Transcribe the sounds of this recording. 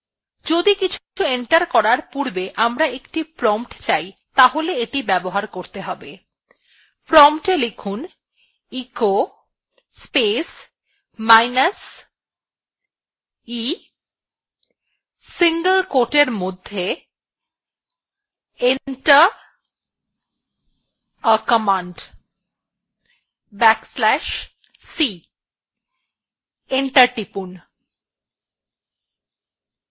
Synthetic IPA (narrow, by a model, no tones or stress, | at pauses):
d͡ʑod̪ikit͡ɕʰu̥ueɳʈaɾkɔɾaɾpuɾbeʔamɾaekʈipɾɔmʈt͡ɕajt̪aɦoleeʈibɛboɦaɾkoɾt̪eɦɔbe | pɾɔmʈelekʰun | iko | spes | majnas | i | siŋɡəlkoʈeɾmod̪ʱːje | eʈə | əkəmaɳɖ | bɛkslɛʃ | si | eɳʈəʈipun